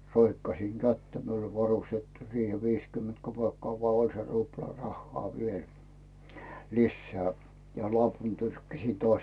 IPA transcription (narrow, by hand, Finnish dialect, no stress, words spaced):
roikːɑsiŋ kætːæ miul ol ʋɑrustetːu siːhe ʋiːs kyment kopeˑkːŏɑˑ ʋoɑ olʲ se ruplɑ rɑhːoɑ ʋiel lisːeæ jɑ lopun tyrkːæsʲi toɑsʲ